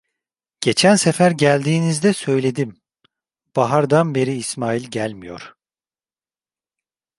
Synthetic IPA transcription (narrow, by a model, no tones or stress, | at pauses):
ɟ̥e̞t͡ʃʰænsefæɾɟælʲd̪iːnizd̪ɛsø̞jlʲe̞d̪im | b̥aɦaɾd̪anbe̞ɾiːsmaːilʲɟælʲmijo̞̰ɾ̥